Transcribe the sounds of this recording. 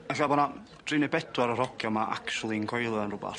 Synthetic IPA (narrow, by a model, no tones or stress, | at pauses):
aɬabɔna | d̥rɨnɛbɛdwaɾəɾɔɡjɔmaʔa̰kt͡ʃulˠiəŋkʰɔjlˠəənrʊba̰